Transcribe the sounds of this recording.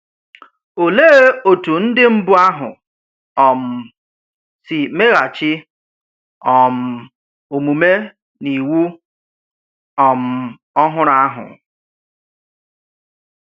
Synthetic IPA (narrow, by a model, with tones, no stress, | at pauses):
o˨leː˦e˦o˨tu˨n̩˦dɪ˦m̩˦bʊ˦a˦ɦʊ̰˨ | ɔ˨m̩˨ | sɪ˨me˦ɣa˨t͡ʃɪ˦ | ɔ˨m̩˨ | o˨mu˨me˦ | ni˨wu˦ | ɔ˨m̩˨ | ɔ˦ɦʊ˦ɾa˦ɦʊ̰˨